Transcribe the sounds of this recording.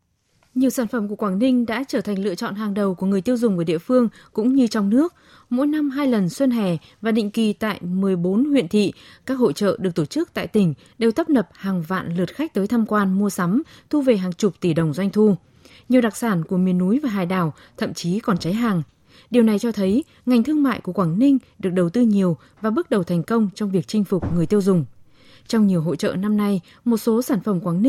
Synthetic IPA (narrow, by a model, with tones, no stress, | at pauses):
ɲi˨˩əwsaː˧˩nfə˧˩mk̬u˧˩əkwaː˧˩nï˧ŋ̟ɗa̰ː˧˥t͡ɕəː˧˩t̪ʰa˨˩jŋ̟lɨ̰˧˨ət͡ɕɔ̰˧˨nɦaː˨˩ŋɗə˨˩wku˧˩əŋɨ˨˩əjt̪i˧wzʊ˨˩ŋ͡mku˧˩ɗḭ˧˨əfɨ˧əŋkʊ̰˧˥ŋ͡mɲɨ˧t͡ɕɔ˧wŋ͡mnɨ˦˥ək̚ | mo̰˧˥jna˧mɦaː˧jlə˨˩nswə˧nɦɛ˧˩ | vaː˨˩ɗḭ˧˨ŋ̟ki˨˩t̪a̰ː˧˨jmɨ˨˩əjɓo˨˦nhwḭ˧ənt̪ʰḭ˧˨kaː˦˥k̚ho̰˧˨t͡ɕə̰ː˧˨ɗɨ˨˩ək̚t̪o˧˩t͡ɕɨ˦˥k̚t̪a̰ː˧˨jt̪ï˧˩ŋ̟ | ɗe˧wt̪ə˦˥p̚nə˨˩p̚haː˨˩ŋva̰ː˧˨nlɨ˨˩ət̚xa˦˥k̚t̪əː˨˦jt̪ʰaː˧mkwaː˧nmu˧əsa˨˦mt̪ʰu˧ve˨˩ɦaː˨˩ŋt͡ɕʊ˨˩k͡p̚t̪i˧˩ɗə˨˩wŋ͡mzwa˧jŋ̟t̪ʰu˧ | ɲi˩wɗa˨˩k̚saː˧˩nku˧˩əmi˨˩ənːu˨˦jvaː˨˩ɦaː˨˩jɗaː˨˩w | t̪ʰə̰˧˨mt͡ɕi˨˦kɔ˨˩nt͡ɕa˨˦jɦaː˨˩ŋ | ɗi˨˩əwna˨˩jt͡ɕɔ˧t̪ʰə˨˦j | ŋa˨˩jŋ̟t̪ʰɨ˧əŋma̰ː˧˨jku˧˩əkwaː˧˩ŋnï˧ŋ̟ɗɨ˨˩ək̚ɗə˨˩wt̪ɨ˧ɲi˨˩əw | vaː˨˩ɓɨ˦˥k̚ɗə˨˩wt̪ʰɛ˨˩jŋ̟kə˧wŋ͡mt͡ɕɔ˧wŋ͡mvi˨˩ək̚t͡ɕï˧ŋ̟fʊ˨˩k͡p̚ŋɨ˨˩əjt̪i˧əwzʊ˨˩ŋ͡m | t͡ɕɔ˧wŋ͡mɲi˨˩əwɦo̰˧˨t͡ɕə̰ː˧˨na˧mna˧j | mo˨˩t̚so˨˦saː˧˩nfə˧˩mkwaː˧˩ŋ˧